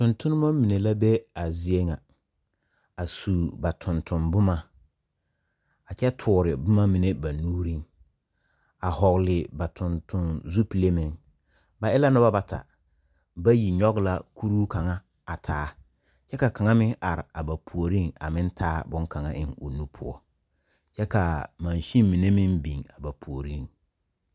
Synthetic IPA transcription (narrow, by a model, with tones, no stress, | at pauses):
tʊ˨ntʊ˦nɪ˦ma˦mi˨ne˨la˦bɛ˦a˨zi˦e˦ŋa˨ | a˨suː˨ba˨tʰʊ˨ntʰʊ˨mbʊ˦ma˦ | a˨t͡ʃɛ˦tʰʊː˨ɾɪ˨bʊ˦ma˦mi˨ne˦ba˨nuː˦ɾi˦ŋ | a˨hɔ˨ɣlɪ˨ba˨tʰʊ˨ntʰʊ˨nzu˦pi˨le˦mɪ˨ŋ | ba˨ʔɪ˦la˦nʊ˦ba˦ba˦tʰa̰˨ | ba˦ji˨ɲɔ˦ɡla˦kʰu˦ɾuː˦ka˨ŋa˦ | a˨tʰaː˨˦ | t͡ʃɛ˦ka˨ka˨ŋa˦mɪ˦ŋʔa˨ɾɪ˨a˨ba˨pʰu˨o˨ɾi˦˨ŋa̰˨mɪ˦n˦tʰaː˦bʊ˦ŋka˨ŋa̰˦ʔɪ̰˨ŋu˨nu˦pʰʊ̰˦ɔ˦ | t͡ʃɛ˦ka˨ma˨nʃi˦mi˨ne˦mɪ˦nbi˨ŋa˨ba˨pʰu˨o˨ɾi˦˨ŋ